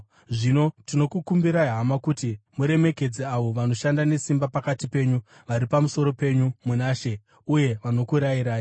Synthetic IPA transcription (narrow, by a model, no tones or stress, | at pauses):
ʐino̞tino̞kukumbiɾaiɦamakutimuɾe̞me̞ke̞d͡ziaʋo̞ʋano̞ʃandane̞simbapakatipe̞ɲu | ʋaɾipamuso̞ɾo̞pe̞ɲumunaːʃe̞ | uje̞ʋano̞kuɾajiɾaːji